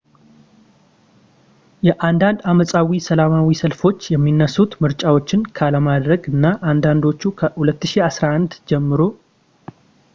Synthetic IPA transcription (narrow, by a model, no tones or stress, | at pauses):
jɛʔand̪and̪aməsʼawisəlamawisəlfo̞t͡ʃːjɛmːinːəsːut̪mɨɾt͡ʃʼawo̞t͡ʃːɪnkʰaləmad̪ɾəɡɨnːaʔand̪and̪o̞t͡ʃːukʰəhulət̪ːɨʃiasɾaʔand̪d͡ʒɛmːɨɾo̞